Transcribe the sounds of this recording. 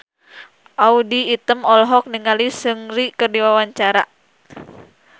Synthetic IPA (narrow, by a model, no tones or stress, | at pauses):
ʔaudiːt̪əmɔlɦɔk̚niŋalisɨŋrikərdiwawaɲt͡ʃaɾa